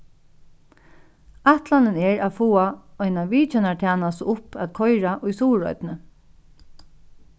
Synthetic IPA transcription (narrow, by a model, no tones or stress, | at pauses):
at̪lanɪnɛɹaːfuːaɔjnaʋiːt͡ʃɛnat̪ʰjaːnasʊpʰæ̰ðkʰɔjɹaʔʊjsuːɹɔ̰ʏt̪nə